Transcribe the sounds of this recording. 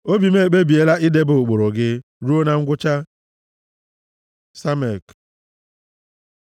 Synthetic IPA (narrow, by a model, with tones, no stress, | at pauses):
o˦bi˨me˦˨k͡pe˦bi˨e˦la˦ʔɪ˦de˦bʊ˨k͡po˨ɾo˨ɡɪ˦ | ɾu˦o˦na˨ŋ̩˦ɡʷʊ˦t͡ʃa˦ | sa˦me˨k